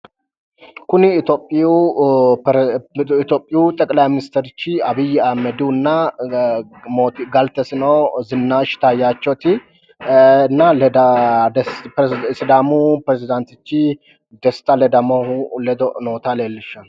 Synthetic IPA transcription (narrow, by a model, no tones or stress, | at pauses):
kʊniɪt̪opʼːu | t̪opʼːɪjut̪ʼɐkʼlajmɪnɪst̪ɛɾɪt͡ʃːiɐbɪjːamɛd̪unːa | mot̪ɡalt̪ɛsɪnɐwzɨnːaʃt̪ajːat͡ʃːot̪i | nːald̪ad̪ | sɪd̪amupɾɛzɪd̪ant̪ɪt͡ʃːi | d̪ɛst̪alɛd̪amohulɛd̪noːt̪ʰalelːɪʃːal